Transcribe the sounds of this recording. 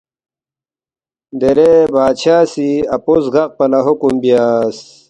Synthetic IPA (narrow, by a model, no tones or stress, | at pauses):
d̪eɾebaːt͡ɕʰaːsiɐposɡɐq̚pɐnɐɦokumbijaːs